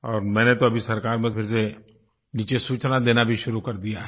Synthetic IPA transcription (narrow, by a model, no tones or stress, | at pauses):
ɔːɾmɛ̃ːnet̪oɐbʱisɐɾkaːɾmẽpʰɪɾse | niːt͡ʃesuːt͡ʃnad̪eːnabʱiʃʊɾukɐɾd̪ijaɦɛ